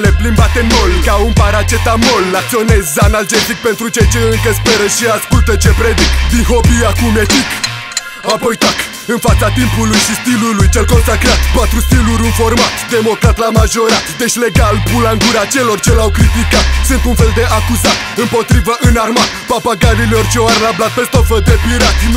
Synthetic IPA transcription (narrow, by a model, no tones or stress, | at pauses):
leplinbat̪emolkaunpaɾat͡ʃe̞t̪amolːak̚t̪sio̞nezzanald͡ʒet̪ik̚pe̞nt̪ɾut͡ʃejt͡ʃeɨŋkəs̬pe̞ɾəʃiaskult̪ət͡ʃe̞pɾed̪ikd̪inɦo̞piakumed̪ik | apo̞jt̪ak | ɨnfat̪sat̪impulujʃist̪ilulujt͡ʃelko̞nsakɾeat̪pat̪ɾust̪iluɾʲunfo̞rmat̪d̪e̞mo̞kɾat̪lamaʒo̞ɾat̪d̪eʃʲle̞ɡalbulaɨŋɡuɾat͡ʃe̞lo̞rt͡ʃelawkɾit̪ikat̪sɨnt̪unfe̞ld̪e̞ʔakuzat̪ɨmpo̞t̪ɾivəʔɨnarmat̪papaɡaɾileort͡ʃeoaɾlablad̪̚pest̪ofəd̪epiɾat̪